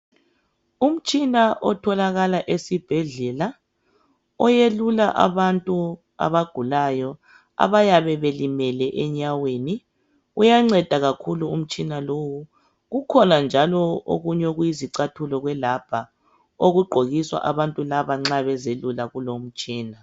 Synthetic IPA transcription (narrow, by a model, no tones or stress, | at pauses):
um̩t͡ʃʼinaʔɔtʰɔlaɣalaʔesib̥ʱɛɮɛla | ɔjelulaʔa̰βantʼu | a̰βaɡ̥ʱulajɔ | a̰βajaβɛβelimɛlɛʔɛɲaweːni | ujaŋ͡ǀɛd̥ʱaɣakʰuluum̩t͡ʃʼinalowu | ɣukʰɔnand͡ʒʱalɔo̰ɣuɲoɣujiziǀatʰulɔɣwɛlab̥ʱa | oɣuɡ͡ǃʱoɣiswa̰ʔaβantʼulaβaŋ͡ǁaβɛzelulaɣulom̩t͡ʃʼiːna